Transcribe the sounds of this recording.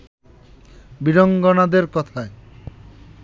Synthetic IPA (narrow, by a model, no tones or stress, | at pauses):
biɾoŋɡonad̪eɾkɔt̪ʰae